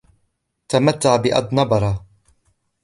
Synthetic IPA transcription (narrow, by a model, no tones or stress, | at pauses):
t̪amat̪ːaʕbɪʔa̰d̪ˤnɑbɑɾˤɑ